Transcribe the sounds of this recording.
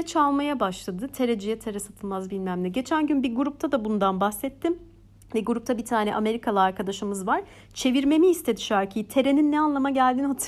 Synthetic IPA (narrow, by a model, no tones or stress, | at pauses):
t͡ʃʰalˠmajabaʃlˠad̪ɯt̪ʰe̞ɾed͡ʒijɛt̪ʰeɾɛsat̪ʰɯlˠmazbilʲmæmlʲiɟe̞t͡ʃʰænɟynbiɾɡuɾup̚t̪ʰad̪abund̪anbaxsɛt̪ʰːim | vɛɡuɾup̚t̪ʰabit̪ʰaːnɛ̰ʔame̞ɾikʰalˠaaɾkʰad̪aʃɯmɯzvaɾ̥ | t͡ʃʰe̞viɾme̞miːst̪ʰed̪iʃæɾcʰijit̪ʰe̞ɾe̞ninːɛanlˠamaɟælʲd̪inhat̪ʰ